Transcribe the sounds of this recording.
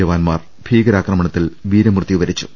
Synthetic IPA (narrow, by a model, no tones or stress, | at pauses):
ɐʋaːnmaːr | b̥ʰʱiːɡɐɾaːkrɐmɐɳɐt̪ːilʋiːɾɐmrɨt̪juʋɐɾit͡ɕːu̥̰